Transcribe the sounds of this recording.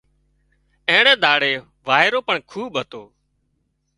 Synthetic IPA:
ẽːɽeːd̪aːɽeː | ʋaːɦɪɾoːpəɳkʰuːɓɦət̪oː

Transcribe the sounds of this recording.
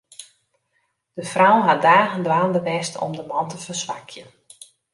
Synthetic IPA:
d̥əfrawɦadaːɣəndʋaːndəʋɛstʰɔ̰mdəmɑntəfərsʋakʰjən

